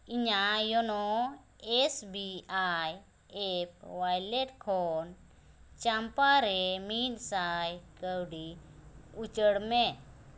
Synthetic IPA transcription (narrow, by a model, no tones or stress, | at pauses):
iɲajɔnɔ | ɛsbiaj | ɛp̚wajlɛʈkʰɔn | t͡ʃampaɾɛminsajkəwɖi | ut͡ʃəɽmɛ